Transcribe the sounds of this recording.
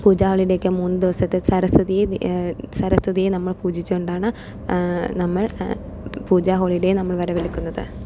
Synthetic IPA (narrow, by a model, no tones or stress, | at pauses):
puːd͡ʑaːɦoɭijɽe̞kːɨmuːnːɨd̪iʋɐsɐt̪ːesɐɾɐst̪ʰɨðij | sɐɾɐst̪ʰɨðijenɐmːɐɭpuːd͡ʑit͡ɕːuuɳɖaːɳɨ | nɐmːɐɭ | puːd͡ʑaːɦoːɭijɽe̞jnɐmːɐɭʋɐɾɐʋelikʲːunːɐðɨ̰